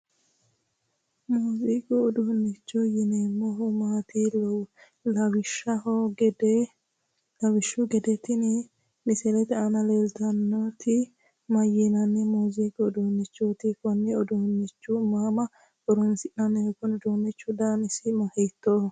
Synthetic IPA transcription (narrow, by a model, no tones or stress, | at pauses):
muːzikɔːd̪ʊnːɪt͡ʃːʊjɪnemɔɦʊmaːt̪ɪl | lɐwɪʃːɐhɔɡɛd | lɐwɪʃːʊɡɛd̪ɛt̪ɪnɪ | mɪsɛlɛt̪ɛɐnɐlezd̪ɐnːot̪ʰɪ | mɐjɪnɐnːɛmuːzikɔːd̪uhnːɪt͡ʃːot̪ɪkɔnːɪɔd̪uhnːɪt͡ʃːʊmaːmɐ | ɔɾɔnsɪʔnɐnːɛɛkɔnɔd̪ɔnːɪt͡ʃːʊd̪aːnɪsɪmɐhɛt̪ːo